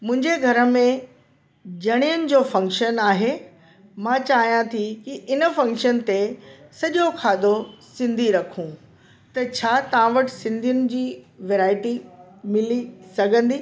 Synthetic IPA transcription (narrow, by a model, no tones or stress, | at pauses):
mʊ̃ɦɪ̃ɲd͡ʑeɡʱɐɾə̆mẽ | d͡ʑɐɽ̃ijʊnɪ̆d͡ʑoːfɐ̃ŋkʃənaːɦe | mãːt͡ɕaːɦijãt̪ʰikiʔɪnəfɐ̃ŋkʃənt̪esɐʄokʰaːd̪ʱosɪ̃nd̪ʱiɾɐkʰũː | t̪ɐt͡ɕʰaːt̪ɐʋãʋɐʈɪ̥sɪ̃nd̪ʱijʊnɪ̆d͡ʑiː | ʋeːɾaːɪʈi | mɪlisɐɡʱə̃nd̪iː